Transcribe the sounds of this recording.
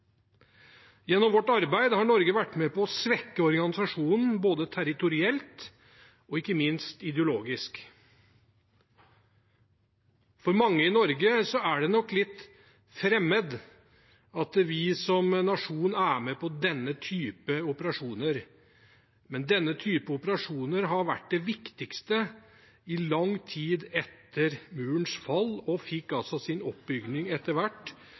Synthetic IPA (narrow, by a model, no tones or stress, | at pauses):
jɛnːɔmʋɔʈːɑɾbæɪd̪əhɑɳɔɾɡəʋæʈːmɛpɔsʋɛkːəɔɾɡɑnɪsɑʂuːnn̩boːd̪ət̪ʰæɾɪt̪ʊɾɪɛlt̪ | ɔɪkːəmɪnst̪ɪd̪ɛʊloːɡɪsk | fɔɾmɑŋːəɪnɔɾɡəsɔæɖɛnɔkːlɪt̪ː | fɾɛmːəd̪ | ɑt̪ʋɪsɔmnɑʂuːnæːmɛpʰɔd̪ɛnːət̪ʰyːpəʊpəɾɑʂuːnəɾ | mɛnd̪ɛnːət̪ʰyːpəʊpəɾɑʂuːnəɾɦɑɾʋæ̰ʈ̚ːd̪ɛʋɪkt̪ɪkst̪ə | ɪlɑŋt̪ʰiːd̪ɛt̪ʰːəɾmʉːɳsfɑlːɔfɪkːɑlsɔsɪnɔpbʏɡnɪŋɛt̪ːəɾʋæʈː